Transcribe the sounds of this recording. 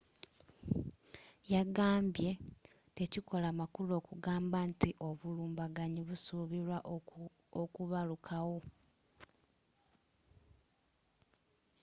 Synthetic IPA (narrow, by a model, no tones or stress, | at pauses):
jaɡaːmbje̞ | te̞ciko̞lamakulo̞ːkuɡaːmbantiʔo̞βuluːmbaɡaɲiβusuːβiɾwaʔ | okuβalukʰawo̞